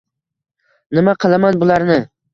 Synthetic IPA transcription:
nɪmaqʰɨlˠamanbʊlˠaɾnɪ

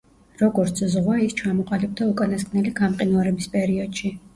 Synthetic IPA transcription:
ɾɔɡɔɾt̪sʰzʁwaist͡ʃʰamɔqʼalib̚d̪aukʼanaskʼnɛliɡamqʼinaɾɛbispʼɛɾiɔd̪̥ʃi

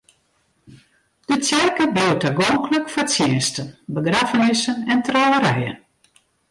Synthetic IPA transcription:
d̥ət͡sjɛrkəbiwtaɡoŋkləkfɔt͡sjɪənstənbəɡrafənɪsənɛntrɔəɾɛjə̰n

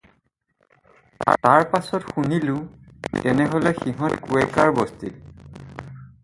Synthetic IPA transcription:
a̰taɹpasɔtxunilʊ̃tɛnɛɦolɛxiɦɔtkuɛkaɹbɔstil

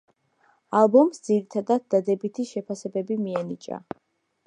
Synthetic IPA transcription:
alˠbɔmsd̪ziɾit̪ʰad̪ad̪̚d̪ad̪ɛbit̪ʰiʃɛpʰasɛbɛbimiɛnit͡ʃʼa̰

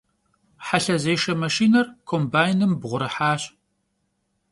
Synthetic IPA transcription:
ħaɬɐzeːʃɐmɐʃiːnɐrkʰoːmbaːjnɨmbʁʷʊɾɐħaːɕʼ

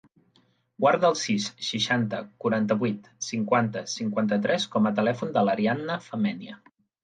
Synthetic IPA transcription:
ɡwaɾðəːlˠsisʃiʃant̪əkuɾant̪əβwit̪siŋkwant̪əsiŋkwant̪ət̪ɾɛskɔmət̪əlɛfund̪ələɾianːəfəmɛniə̰

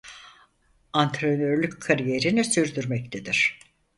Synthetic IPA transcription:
ant̪ʰɾenøɾlʲyckʰːaɾije̞ɾinisyɾd̪yɾmɛct̪ʰed̪iɾ̥

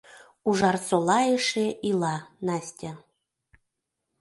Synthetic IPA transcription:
uʒɑrsolˠɑeʃeʔilˠɑnɑsʲt̪ʲa

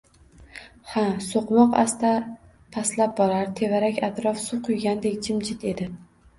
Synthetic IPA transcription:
hasoqmɒqa̰st̪a | pʰaslap̚bɒɾaɾt̪ʰe̞vaɾakʲat̪ɾɒfsʊqʰʊjɡʲand̪ekʲt͡ʃʰɪmd͡ʒʰɪt̪e̞d̪ɪ

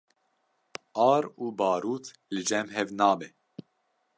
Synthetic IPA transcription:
ʔɑːɾuːbɑːɾuːt̪ʰ | lɨd͡ʒɛmɦɛvnɑːbɛ

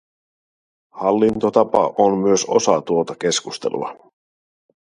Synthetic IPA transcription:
hɑlːint̪ot̪ɑpɑ̰ʔommyøso̞sɑt̪uot̪ɑk̟e̞skust̪e̞lṵɑ̰

